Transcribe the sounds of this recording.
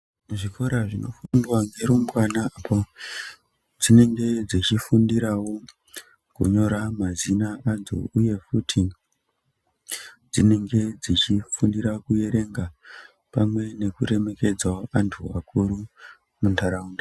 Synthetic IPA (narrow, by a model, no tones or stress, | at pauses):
muʐiko̞ɾaʐino̞̰fundwaŋɡeɾumwanaapʰo | d͡zine̞ŋɡe̞d͡zit͡ʃifundiɾawo̞ | kṵɲo̞ɾamazinaad͡zo̰uje̞futʰi | d͡zine̞ŋɡe̞d͡zit͡ʃifundiɾakuje̞ɾe̞ŋɡa | pamwe̞ne̞kuɾe̞me̞ke̞d͡zaantʰua̰kʰuɾu | muntaɾaunda